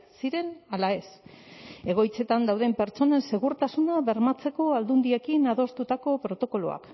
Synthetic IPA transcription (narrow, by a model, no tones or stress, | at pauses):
siɾe̞nalae̞s | e̞ɣ̞o̞jt͡se̞t̪and̪awðe̞mpe̞ɾt͡so̞ne̞nse̞ɣuɾt̪asunaβe̞ɾmat͡se̞ko̞ald̪und̪ie̞kinaðo̞st̪ut̪ako̞pɾo̞t̪o̞ko̞lo̰a̰k